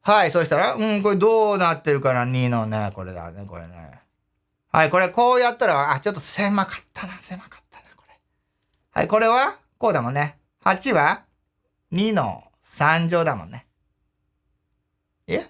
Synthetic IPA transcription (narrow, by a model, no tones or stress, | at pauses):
haiso̞ɕi̥t̪aɾaɯ̟̃ɴko̞ɾed̪o̞ːnat̪ːeɾɯ̟kaɾaɲ̟ino̞neko̞ɾe̞̰d̪a̰neko̞̰ɾḛnḛ | ha̰iko̞ɾe̞ko̞ːjat̪ːaɾaːt͡ɕot̪ːosemakḁt̪ʰːḁnase̞makḁt̪ʰːḁnḁko̥ɾe | ha̰iko̞ɾe̞βa | ko̞ːd̪amõ̞nːe̞ | hat͡ɕiβa | ɲ̟ino̞̰ | sãɲ̟d͡ʑo̞ːd̪amõ̰nːe | e